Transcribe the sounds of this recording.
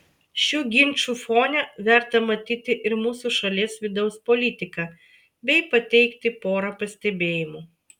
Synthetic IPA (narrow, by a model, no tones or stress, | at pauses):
ʃʲuːɡʲɪnʲt͡ʃʲuːfoːnʲɛʋʲɛˑɾt̪ɐmɐt̪ʲiːt̪ʲɪʔɪɾmuːsuːʃɐlʲiːsʋʲɪd̪ɐʊspɔlʲɪt̪ʲɪkɐ | bʲɛɪpɐt̪ʲɛɪkt̪ʲɪpoːɾɐpɐsʲt̪ʲɛbʲeːjɪmu